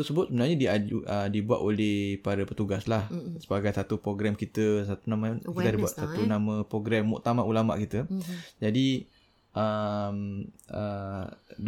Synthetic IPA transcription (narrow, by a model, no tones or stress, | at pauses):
t̪səbʊt̪̚səbənaɲədiaədibua̰ʔ̪olɛhpaɾapət̪uɡaslahsəbaɡajsat̪upɾoɡɾamkit̪əsat̪unamakit̪adibuat̪̚sat̪unamə̃pɾoɡɾɛmːṵʔt̪amaʔulama̰ʔkit̪əd͡ʒadi | ʔəmə